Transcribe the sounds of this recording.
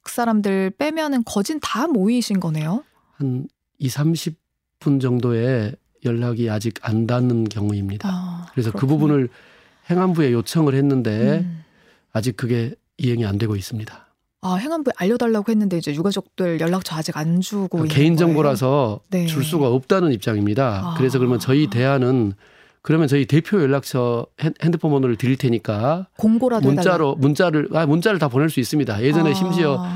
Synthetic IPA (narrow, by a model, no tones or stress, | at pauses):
k̚s͈aɾamdɯɭp͈e̞mjʌnɯnkʌd͡ʑintamoiɕʰinɡʌne̞jo | han | isʰamɕʰip̚ | p͈und͡ʑʌŋdoe̞ | jʌɭːaɡiad͡ʑiɡandanɯnkjʌŋuimɲidakɯɾe̞sʰʌkɯbubunɯɭ | he̞ŋɦanbue̞jot͡ɕʰʌŋɯɭhe̞nːɯnde̞ | ad͡ʑik̚k͈ɯɡe̞ | iɦe̞ŋiandwe̞ɡois͈ɯmɲidḁ | aɦe̞ŋɦanbueʔaʎːʌdaɭːaɡohe̞nːɯnde̞id͡ʑe̞juɡad͡ʑʌk̚t͈ɯɭjʌɭːak̚t͡ɕʰʌad͡ʑiɡand͡ʑuɡoike̞ind͡ʑʌŋɡoɾas̬ʰʌnet͡ɕuɭs̬͈uɡaʌp̚t͈anɯnip̚t͡ɕ͈aŋimɲidakɯɾe̞s̬ʰʌkɯɾʌmjʌnt͡ɕʌite̞ɦanɯn | kɯɾʌmjʌnt͡ɕʌite̞pʰjojʌɭːak̚t͡ɕʰʌhehendɯpʰomʌnoɾɯɭtɯɾiɭtʰe̞ɲik͈akoŋɡoɾamunt͡ɕ͈aɾomunt͡ɕ͈aɾɯɭamunt͡ɕ͈aɾɯɭtapone̞ɭs͈uis͈ɯmɲidaje̞d͡ʑʌne̞ɕʰimɕʰiʌ